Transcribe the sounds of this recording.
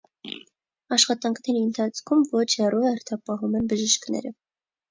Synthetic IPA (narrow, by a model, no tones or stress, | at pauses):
ɑʃχɑt̪ɑŋkʰnɛɾiənt̪ʰɑt͡sʰkʰumvɔt͡ʃʰɛrɔɛɾt̪ʰɑpɑɦumɛnbəʒəʃknɛ̰ɾə